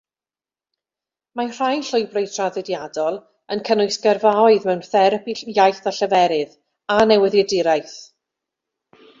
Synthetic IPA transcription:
mar̥ajnɬʊjbrejtʰraðɪdjadɔlˠ | ənkʰənʊɨsɡ̥ərvaɔɨðmɛwnθɛɾəpʰijajθaɬəvɛɾɪð | anɛwɪðɛdɪɾajθ

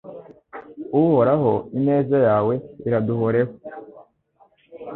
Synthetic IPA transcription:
uho̞ɾaɦo̞ine̞ːzajaːwe̞iɾaduhoɾeho

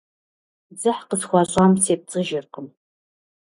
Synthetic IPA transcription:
zɨħqəsxʷɑɕʼamsʰeːp̚t͡sʼɨʒɪrqəm

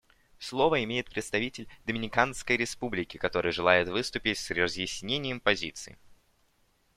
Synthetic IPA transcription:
slˠo̞vəɪmʲejɪt̪̚pɾʲɪt̪st̪ɐvʲitʲɪlʲd̪əmʲɪnʲɪkanskəjɾʲɪspublʲɪkʲɪkɐt̪o̞ɾɨjʐɨlˠajɪt̪vɨst̪ʊpʲɪtʲsrəzjɪsʲnʲenʲɪjəmpɐzʲit̪sɨ̰ɪ̰

